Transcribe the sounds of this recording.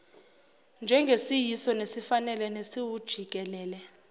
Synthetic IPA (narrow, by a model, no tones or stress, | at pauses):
nd͡ʒʱɛŋɡʱesijisɔnesifanɛlɛnesiwud̥ʒ̥ʱik̬ʼɛlɛːlɛ